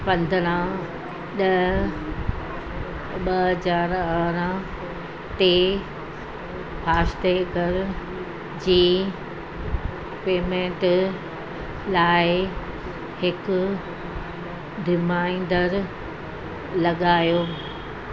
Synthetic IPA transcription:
pɐ̃nd̪ʱəɽ̃ã | ɗɐ | ɓɐɦɐzaːɾəɾə̃ | t̪e | pʰaːst̪eɡəɾ | d͡ʑiː | peːmẽːɳʈ | laːɪ | hɪkʊ | d̪ɪmaːĩːn̆d̪əɾ | lɐɠaːjoː

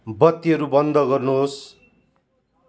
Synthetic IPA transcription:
bʌt̪ːiʌɾubʌnd̪ʌɡʌrnuɦos

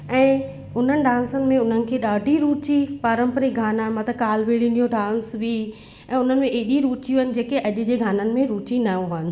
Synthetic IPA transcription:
ɛ̃ː | ʊn̤ənɪ̆ɖãːnsənɪ̆mẽʊn̤ənɪ̆kʰeːɗaːɖʱiɾuːt͡ɕipaːɾə̃mpəɾiɡʱaːnaːnmɐt̪ʰɐkaːlʋeːɭĩndijõɖãːnsbi | ɛ̃ːʊn̤ənɪ̆mẽʔeːɗiɾuːt͡ɕiunɪ̆d͡ʑeːkeʔɐʄʊ̆d͡ʑeːɡʱaːnənɪ̆mẽɾuːt͡ɕinaːũɦaːnɪ̆

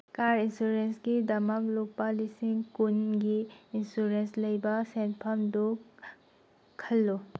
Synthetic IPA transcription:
kaɾinsuɾensɡidɐmɐk̚lok̚palisiŋkunɡiːnsuɾenslɐjbɐsenpʰamdu | kʰɐlːo

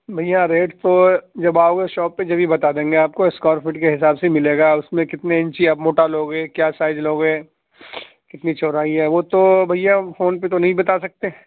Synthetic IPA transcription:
bʱɐjãɾeːʈt̪od͡ʒɐbaːoɡeʃɔːpːed͡ʒɐbʱibɐt̪aːd̪ẽːŋɡeaːp̚koɪskɔːɾfɪʈkeɦɪsaːbsemɪleːɡaʊsmẽkɪt̪neɪ̃ɲt͡ʃiɐbmoːʈaloːɡɦɛ̃ːkjaːsaːɪd͡ʒloːɡɦɛ̃ː | kɪt̪nit͡ʃɔːɾaːiɦɛːʋoːt̪obʱɐɪjãfoːnpet̪onɐɦĩbɐt̪asɐk̚t̪eː

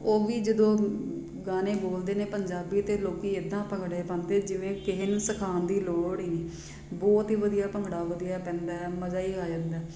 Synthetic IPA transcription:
oːʋiːd͡ʒəd̪õː | ɡaːneːboːld̪eːneːpəɲd͡ʒaːbiːt̪eːloːkiːɪd̪ãːpəŋɡɽeːpãːnd̪eːd͡ʒɪʋẽːkɪɦɪnsəkʰaːnd̪iːloːɽiːneː | bɔːt̪ɦiːʋəd̪ijaːpəŋɡɽaːʋəd̪ijaːpɛ̃ːnd̪aːɛːməd͡ʒaːiːaːd͡ʒãːnd̪aː

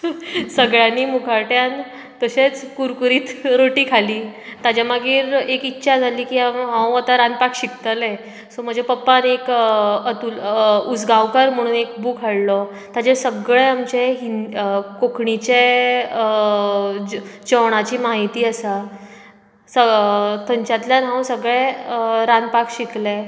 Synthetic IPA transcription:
səɡɭjaniːmukʰaɾʈjan | t̪əɕet͡skuɾkuɾiːt̪ɾoʈiːkʰaliːt̪ad͡ʑjaməɡiːɾekit̪ːɕʰad͡zʱaliːkiːamɦãw̃ət̪aɾand̪̚pakɕik̚t̪əlɛ | sɔm̤əd͡ʑepəpːanekət̪ulud͡zɡawkaɾm̤əɽ̃uːnek̚buːkʰəɽlɔ | t̪ad͡ʑesəɡɭeamt͡ɕeɦinkokʰɳit͡ɕe | d͡ʑəʋɽ̃at͡ɕiːmaɦit̪iːəsa | sət̪ʰəɲt͡ɕat̪ljanɦãw̃səɡɭɛəɾãnd̪̚pakɕikle

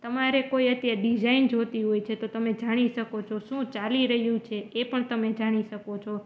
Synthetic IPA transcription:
t̪əmaɾekoiət̪jaɾɖid͡ʒaind͡ʒot̪iɦojt͡ʃʰet̪ot̪əmed͡ʒaɽ̃iʃəkot͡ʃʰoʃũt͡ʃaliɾəɦjũt͡ʃʰeepəɳt̪əmed͡ʒaɽ̃iʃəkot͡ʃʰo

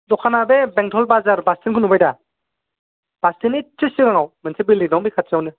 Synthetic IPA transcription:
dɔkʰanabebɛŋtʰɔlbazaɾbastʰinkʰɯnubajda | b̥astʰinit͡ʃɯsiɾaŋawmɯnsʰebilidɔŋbikʰat̚sawnɯ

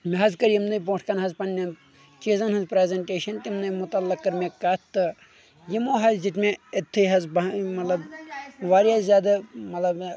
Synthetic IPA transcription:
meɦɐzkɐɾjimnɐjbõːʈʰkɐnɦɐzpɐnːʲɐn | t͡ʃiːzɐnɦɐnzpɾeːzʲɐɳʈeːʃɐnt̪imnɐmʊt̪ɐlːɐkːɐɾmʲekat̪t̪ːɨ | jimoːɦɐzd͡ʒit̪mẽet̪ʰːɨɦɐzbɐmɐt̪lɐbʋaːɾjaːzʲaːd̪ɨmɐt̪lɐb

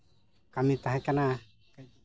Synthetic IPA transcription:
kamit̪aɦɛkana

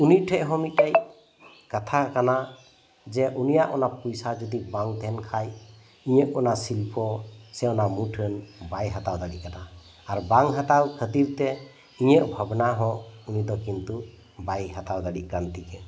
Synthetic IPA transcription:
uniʈʰɛʔɦɔ̃mit̚aj | kat̪ʰakana | d͡ʒɛʔunijaʔɔnapujsad͡ʒɔd̪ibaŋt̪ʰɛnkʰaj | iɲɛʔɔnasilpʰɔsɛɔnamuʈʰənbajɦat̪awd̪aɽiʔkanaː | ɾbaŋɦat̪awkʰət̪iɾt̪ɛ | iɲeʔbʱabnaɦɔ̃ʔunid̪ɔkint̪u | bajɦat̪awd̪aɽiʔkɾant̪ikɛ

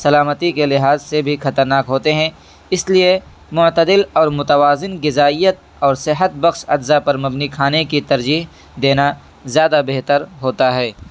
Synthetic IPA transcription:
sɐlaːmət̪ikelɪɦaːzsebʱixɐt̪əɾnaːkɦoːt̪eɦɛ̃ː | ɪslie | mʊʕt̪əd̪ɪlɔːɾmʊt̪əwaːzɪnɡɪzaːijət̪̚ | ɔːɾsɪɦət̪̚bɐxʃɐd̪zapɐɾmɐbnikʰaːnekit̪ɐɾd͡ʒiːɦ | d̪eːna | zjaːd̪abeɦt̪əɾɦoːt̪aɦɛː

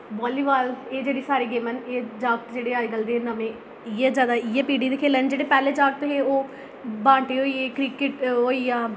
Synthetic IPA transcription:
bɔːliːʋaːleːd͡ʒeːɽiːsaːɾiːɡeːməneːd͡ʒaːk̚t̪d͡ʒeːɽeːaːiɡəld̪eːeːnəmẽː | ijeːzjaːd̪aːijeːpiːɖiːd̪eːkʰeːlɛːnd͡ʒeːɽeːpɛːleːd͡ʒaːɡ̚t̪ːɦeːoː | bãːɳʈeːɦoːiːeːkɾɪkɪʈɦoːiːaː

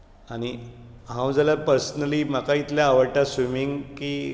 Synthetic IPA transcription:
aɽ̃i | ɦãwd͡zəlapəɾsənəliːm̤akait̪ljaːʋəɾʈasʋimiŋɡkiː

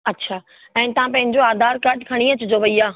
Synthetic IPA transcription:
ɐtːɕʰaː | ɛ̃ːt̪ɐʋ̤ãpɐ̃ɦɪ̃ɲd͡ʑoaːd̪ʱaːɾkɐʈkʰɐɽ̃iət͡ɕʊd͡ʑoʋɐiaː

